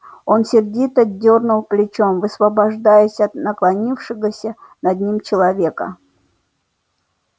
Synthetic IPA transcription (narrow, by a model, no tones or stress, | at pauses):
o̞nsʲɪrdʲit̪ədʲːornʊlˠplʲɪt͡ɕo̞mvɨsvəbɐʐd̪ajəsʲɐt̪nəklˠɐnʲifʂɨɣəsʲənɐd̪ʲnʲimt͡ɕɪlˠɐvʲe̞kə̰